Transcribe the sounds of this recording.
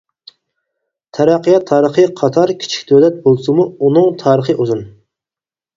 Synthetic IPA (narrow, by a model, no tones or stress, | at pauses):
t̪ʰɛɾɑqːijɑt̪ʰːɑːɾəχɨqʰɑt̪ʰɑɾkʲʰi̥t͡ʃʰi̥kʲd̪ʰølɛt̪̚bolˠsɨmuunɨŋt̪ʰɑːɾəχɨʔuzun